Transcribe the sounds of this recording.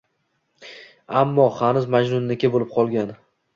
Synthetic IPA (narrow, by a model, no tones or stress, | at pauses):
amːɒhanʊzmad͡ʒnʊnːɪkʲabolɪp̚qʰɒlˠɡʲan